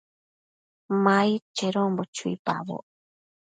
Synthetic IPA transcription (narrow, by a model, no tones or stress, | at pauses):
mait͡ʃeɾõmbot͡ʃuḭpa̰βo̰ʔ